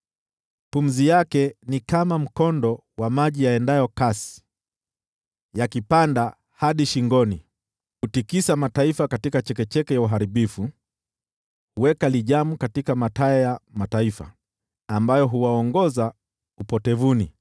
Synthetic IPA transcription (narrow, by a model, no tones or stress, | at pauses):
pum̩zijakɛnikamam̩kɔndɔ | wamaʄijaɛndajɔkasi̥ | jakipanda | haɗiʃiŋɡɔni | hutikisamataifakatikat͡ʃɛkɛt͡ʃɛkɛjauɦaɾiɓifu | huwɛkaliʄamukatikamataɛjamataifa̰ː | mbajɔɦuwaɔŋɡɔza | upɔtɛvuni